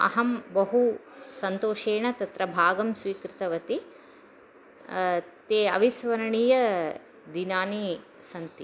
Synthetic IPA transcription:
ɐ̰ɦɐmbɐɦusɐnt̪oːʃeːɳɐt̪ɐt̪ɾɐbʱaːɡɐmsʋiːkɾɪt̪ɐʋɐt̪i | t̪eːɐ̰ʋisʋɐɾɐɳiːjɐ | d̪inaːni | sɐnt̪i

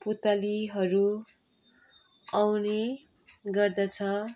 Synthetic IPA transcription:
put̪aliɦʌɾu | awne | ɡʌrd̪ʌt͡sʰʌ

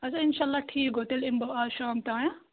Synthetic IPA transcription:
ɐsɐɪnʃaːɐlːaʈʰiːkɦot̪elɪmbɐaːʃaːmt̪aːjã

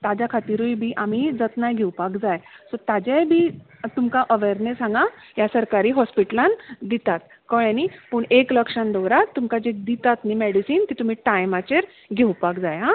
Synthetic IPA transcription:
t̪ad͡ʑakʰat̪iɾujbʱiːʔamid͡zət̪najɡʱewpakd͡zajsɔt̪ad͡ʑajbʱiː | t̪umkaʔəʋeɾnesãŋɡa | jasəɾkaɾiːɦɔspiʈəland̪it̪at̪̚ | kəɭjanipuɳekləkʂand̪ɔwɾat̪ːumkad͡ʑed̪it̪at̪niːmeɽisiːnt̪it̪um̤iːʈajmat͡ɕeɾ | ɡʱewpakd͡zaja

